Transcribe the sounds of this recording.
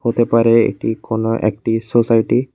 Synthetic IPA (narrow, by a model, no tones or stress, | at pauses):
hot̪ɛpaɹɛḛtikɔnɔʔḛk̚ʈisosajʈi